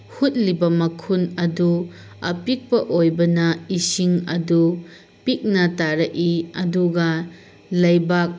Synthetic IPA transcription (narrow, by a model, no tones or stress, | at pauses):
hut̚libɐmɐkʰunɐdu | ɐpik̚pɐʔojbɐnɐisiŋɐdu | pik̚nɐtaɾɐʔiɐduɡɐ | lɐjbak̚